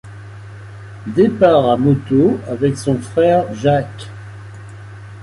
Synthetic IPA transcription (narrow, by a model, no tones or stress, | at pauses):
d̪epaʁamɔt̪oavɛksɔ̃fχɛʁʒak